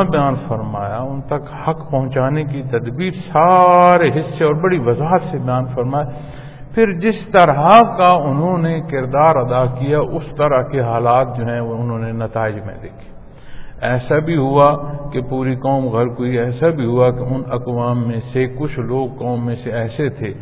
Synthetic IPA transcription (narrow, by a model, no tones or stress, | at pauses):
abjaːnfɐɾmaːjaʊnt̪ɐkhɐkpɐɦʊ̃t͡ʃaːnekit̪ɐd̪biːɾsaːɾeɦɪsːeɔːɾbɐɽiʋɐzaːɦət̪sebɐjaːnfɐɾmaːe | pʰɪɾd͡ʒɪst̪əɾɦakaʊnɦõnekɪɾd̪aːɾɐd̪akijaʔʊst̪ɐɾəɦkeɦaːlaːt̪̚d͡ʒoːɦɛ̃ʊnɦõːnenɐt̪aːɪd͡ʒmḛ̃d̪eːkʰi̥ː | ɛːsabʱiɦuakepuːɾikɔːmɣɐɾkɦuiɛːsabʱiɦʊakeʊnɐkʋaːmːẽsekʊt͡ʃʰloːɡ̚kɔːmːẽseɛːset̪ʰeː